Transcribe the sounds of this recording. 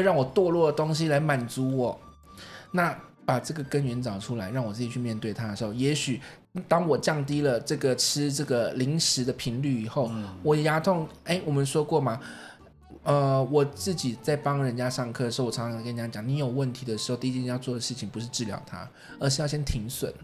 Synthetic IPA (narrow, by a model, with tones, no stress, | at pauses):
we˥˧ɪɻɑ˥˩ŋwɔ˨˩t̪wɔ˥˧lwɔ˥˩d̪ə˩t̪o˥ŋɕ̬i˥la˧˥ɪma˨˩nt͡su˧˥wɔ˨˩˦ | na˥˩ | pa˨˩ʈ͡ʂɤ˥˩ɡə˩kə˦˥nɥɛ˧˥nt͡sɑ˨˩ʊʈ͡ʂʰu˥la˧˥ɪɻɑ˥˩ŋwɔ˨˩t͡sɹ̩˥˩t͡ɕi˨˩y˥˧mjɛ˥˧nt̪we˥˩ɪt̪ʰa˥d̪ə˩ʂɻxo˥˩jɛ˧˥ɕy˨˩ | t̪ɑ˥ŋwɔ˨˩t͡ɕjɑ˥˩ŋt̪i˥lə˨ʈ͡ʂɤ˥˩ɡə˩ʈ͡ʂʰɻ̩˥ʈ͡ʂɤ˥˩ɡə˩li˧˥ŋʂɻ̩˧˥d̪ə˨pʰi˧˥ŋly˥˩i˨˩xo˥˩ʊwɔ˨˩˨ja˧˥t̪ʰʊ˥˩ŋe˥ɪwɔ˨˩mə˨nʂwɔ˥kwɔ˥˩ma˩ | ə˧˩wɔ˨˩t͡sɹ̩˥˩t͡ɕi˨˩t͡sa˥˩ɪpɑ˥ŋɻə˧˥nt͡ɕja˥ʂɑ˥˧ŋkʰɤ˥˩ə˩˧˥wɔ˨˩˧ŋ˥ɑ˥˧˥kə˥n˧t͡ɕja˥t͡ɕjɑ˨˩ŋni˧˥jo˨˩ʊwə˥˩nt̪ʰi˧˥d̪ə˨˩ʂɻ̩˧˥xt̪i˥t͡ɕi˥˧jɑ˥˧ʊt͡swɔ˥˩d̪ə˩ʂɻ̩˥˩t͡ɕʰi˨˩ŋpu˧˥ʂɻ̩˥˧ʈ͡ʂɻ̩˥˩ljɑ̰˧˥ʊt̪ʰa̰˥ | ə˧ʂɻ̩˥˧jɑ˥˧ʊɕjɛ˥nt̪ʰi˧˥ŋswə̰˨˩n